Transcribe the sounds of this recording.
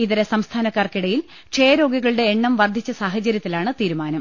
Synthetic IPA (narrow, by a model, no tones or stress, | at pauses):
iðiɾesɐmst̪ʰaːnɐkːaːrkiɽɐjil | ʂejɐɾo̞ːɡiɣɐɭɨɽe̞ːɳːɐmʋɐrd̪ʱit͡ɕːɐsaːɦɐt͡ɕɐɾjɐt̪ːilaːɳɨt̪iːɾumaːnɐm